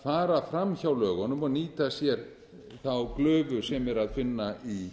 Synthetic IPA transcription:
faːɾafɾamçawlœːɣɔnʏmɔniːt̪asjɛɾ | θawklœːvʏ̥sɛmɛɾaðfɪnːai

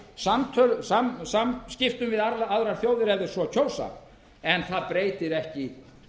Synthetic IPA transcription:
samt̪ʰœɾsamsamscɪft̪ʏmvɪðaɾaaðɾaɾ̥θjoːwðɪɾɛvðɪɾ̥svɔcʰoːwsa̰ | ɛnθaðpɾeːjt̪ɪɾɛhcɪ

